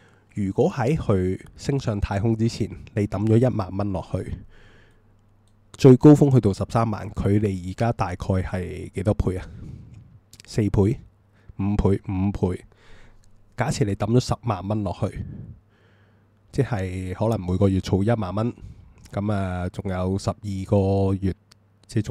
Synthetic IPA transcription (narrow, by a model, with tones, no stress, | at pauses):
jyː˨˩kwɔː˨˥hɐ˨˥jhɵ˧ɥsɪ˥ŋsœː˧ŋt̪ʰaː˧jɦʊ˥ŋt͡siː˥t͡sʰiː˨˩nle˨˧jt̪ɐ˨˥mt͡ʃɔː˨˥jɐ˥t̚maː˨nmɐ˥nlɔ̰ː˨k̚hɵ˧ɥ | t͡ʃɵ˧ɥko˥wfʊ˥ŋɦɵ˧t̪o˨˧wsɐ˨p̚saː˥mːa̰ː˨˩nkʰɵ˨˧ɥle˨jːiː˨˩kaː˥t̪aː˨jkʰɔː˧jhɐ˨jke˨˥jt̪ɔː˥pʰuː˧jaː˨˧ | se˧jpʰuː˨˥j | m̩ː˨˧pʰuː˨˧jm̩ː˨˧˥pʰuː˨˥j | kaː˨˥t͡sʰiː˨˩le˨˧˥t̪ɐ˨˥mt͡ʃɔː˨˥sɐ˨p̚maː˨nmɐ˥nlɔː˨k̚hɵ˧ɥ | t͡sɛː˥˩hɐ˨jhɔː˨˥lɐ˨˩ŋmuː˨˧jkɔː˧jyː˨t̚t͡sʰo˧wjɐ˥t̚maː˨˩nmɐ˥nkɐ˨˥maː˨˩t͡sʊ˨˩ŋjɐ˨˧wsɐ˨p̚jiː˨kɔː˧jyː˨˩t̚ | t͡sɛː˥t͡sʊ˨